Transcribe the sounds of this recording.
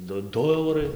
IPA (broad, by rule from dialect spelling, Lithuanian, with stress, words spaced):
ˈdʊ ˈdʊ ˈɐʊrɐɪ